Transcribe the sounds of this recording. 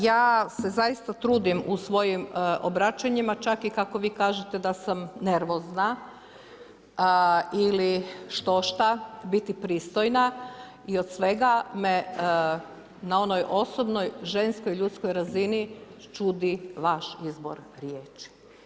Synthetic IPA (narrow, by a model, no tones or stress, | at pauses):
jaːse̞zajist̪at̪ɾuːd̪imusʋo̞jimʔobɾat͡ʃaɲimat͡ʃakikako̞ʋiːkaːʒet̪e̞d̪asamne̞ɾʋo̞zna | iliʃt̪o̞ʃt̪abit̪ipɾiːst̪o̞jna | io̞d̪sʋe̞ɡame̞ | nao̞nojʔo̞so̞bno̞jʒe̞nskojʎut̪sko̞jɾazini | t͡ʃud̪iʋaʃizbo̰ɾɾjeːt͡ʃi̥